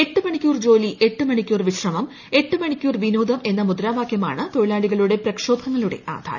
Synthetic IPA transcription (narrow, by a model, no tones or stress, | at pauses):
e̞ʈːɨmɐɳikʲːuːrd͡ʑo̞ːliʔe̞ʈːɨmɐɳikʲːuːrʋiɕrɐmɐm | e̞ʈːɨmɐɳikʲːuːrʋinuːd̪ɐme̞nːɐmud̪ɾaːʋaːkʰjɐma̰ːɳɨt̪oɻilaːɭiɣɐɭuɽe̞prɐkʂo̞ːbʰʱɐŋːɐɭuɽe̞̰ʔa̰ːd̪ʱa̰ːɾɐ